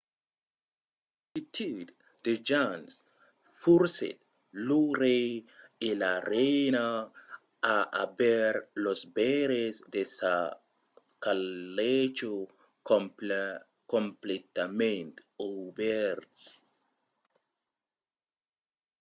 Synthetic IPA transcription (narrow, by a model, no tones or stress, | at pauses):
it̪ʰud̪ | d̪ed͡ʒans | fuɾsḛt̪ | luɾeelaɾejnaː | ʔabɛɾlosbeɾesd̪esa | kalet͡ʃo | ko | komplet̪amẽnt̪obɛɾts